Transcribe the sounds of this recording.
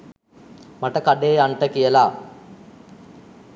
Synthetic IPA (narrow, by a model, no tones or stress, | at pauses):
maʈəkaɖeːaɳʈəkijəla